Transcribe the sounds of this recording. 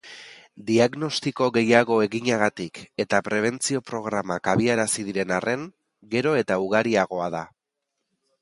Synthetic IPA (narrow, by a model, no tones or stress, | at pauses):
d̪iaɣno̞st̪iko̞ɣe̞jaɣo̞e̞ɣiɲaɣ̞at̪ike̞t̪apɾe̞β̞e̞nt͡sio̞pɾo̞ɣɾamakaβ̞iaɾasið̞iɾe̞narʔe̞ŋ | ɡe̞ɾo̞e̞t̪auɣaɾiaɣ̞o̞að̞a